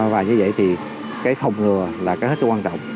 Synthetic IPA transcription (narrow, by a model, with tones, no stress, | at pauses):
vaː˨˩ɲɨ˧və̰˧˨jt̪ʰi˨˩ | kaː˨˦jxə˨˩wŋ͡mŋɨ˨˩əlaː˨˩kaː˨˦he˦˥t̚sɨ˦˥kwaː˧t͡ɕɔ̰˧˨wŋ͡mʔ